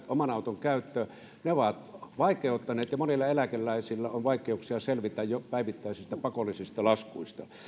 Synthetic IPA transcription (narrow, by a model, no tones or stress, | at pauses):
ʔomɑnɑˑut̪oŋkæˑyt̪ːø | neoʋɑt̪ʋɑˑikˑeˑut̪ːɑneːt̪jɑmonilːɑelækelːˑæˑisilːæonʋɑˑikˑeˑuksiɑselʋit̪æjjopæˑiʋit̪ːæˑisist̪ɑpɑkolːˑisist̪ɑlɑskuist̪ɑ